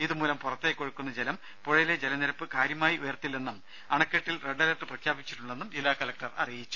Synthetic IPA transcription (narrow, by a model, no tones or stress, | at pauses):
iðumuːlɐmpurɐt̪ːekːo̞ɻukːunːɐd͡ʑelɐm | poɻɐjiled͡ʑelɐniɾɐpːɨkaːɾjɐmaːjiʔujɐrt̪ːilːe̞nːum | ɐɳɐkːeʈːilre̞ɖːɐlɐʈːɨprɐkʰjaːbit͡ɕːi̥ʈːuɭːe̞nːumd͡ʑilːaːkɐlɐk̚ʈɐrɐ̰rijit͡ɕːu̥